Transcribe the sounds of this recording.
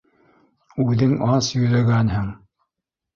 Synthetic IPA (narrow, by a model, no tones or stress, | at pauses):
ʉðɘŋɑsjɵ̆jlæɡænhɘŋ